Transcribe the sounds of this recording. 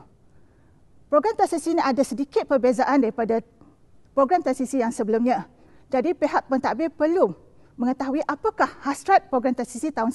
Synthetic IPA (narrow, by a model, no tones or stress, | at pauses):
pɾoɡɾamt̪asisiniʔadasədikɪt̪̚pərbezaʔandaɾipada | pɾoɡɾamt̪asisijaŋsəbəlumɲã | d͡ʒadipeɦaʔ̚pənt̪aʔbɪrpəlu | mə̃ŋət̪aɦuiʔapakahhasɾat̪̚pɾoɡɾamt̪asisit̪aʊns